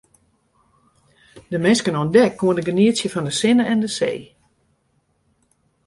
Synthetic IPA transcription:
dəmɪnskənoəndɛkːoəndəɡəniətsjəfɔndəsɪnəʔɛndəsḛː

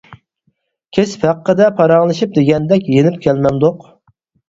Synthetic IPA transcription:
kʲʰespʰæqːəd̪ɛpʰɑɾɑŋlˠɨʃip̚d̪eɡʲɛnd̪ɛkʲjenɪp̚kʲʰɛlmɛnd̪oq

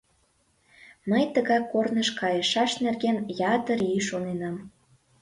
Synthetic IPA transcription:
məjt̪əɣɑkːornəʃkɑjəʃɑʃnerɣenjɑt̪əɾiʃonenɑm

